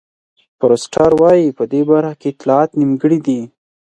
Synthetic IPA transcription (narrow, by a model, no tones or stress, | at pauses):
pɾosʈɑɾwɑjipəd̪ebaɾxakeɪt̪lɑɑt̪nimɡəɽid̪i